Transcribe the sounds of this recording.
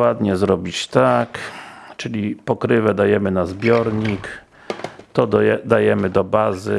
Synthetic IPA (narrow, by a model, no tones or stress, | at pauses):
wad̪ɲɛzɾɔbʲit͡ɕt̪akt͡ʂɘlʲipɔkɾɘvɛd̪ajɛmɘnazbʲjɔɾɲik | t̪ɔd̪ajɛmɘd̪ɔbazɘ